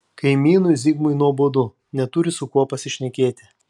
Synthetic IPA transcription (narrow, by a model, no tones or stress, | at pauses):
kɐɪmʲiːnʊjzʲiɡmʊɪnuɔboːd̪ʊ | nʲɛt̪ʊɾʲɪsʊkuɔpɐsʲɪʃʲnʲɛkʲeːt̪ʲɪ